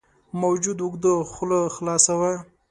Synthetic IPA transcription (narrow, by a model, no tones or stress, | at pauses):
mawd͡ʒud̪ʊɡd̪əxloxlɑsawa